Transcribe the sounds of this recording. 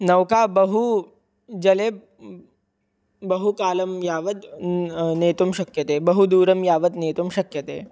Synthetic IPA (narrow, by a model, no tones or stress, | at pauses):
nɐʋkaːbɐɦu | d͡ʒɐleːb | bɐɦukaːlɐmjaːʋɐt̪ | neːt̪umʃɐkjɐt̪eːbɐɦud̪uːɾɐmjaːʋɐt̪neːt̪umʃɐkjɐt̪ḛː